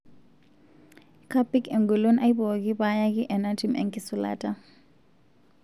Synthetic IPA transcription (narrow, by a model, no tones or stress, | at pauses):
kʰapikʰɛŋɡulonʔajbɔkipajak̬iʔɛnatimʔɛ̰ŋkisula̰ːtʼa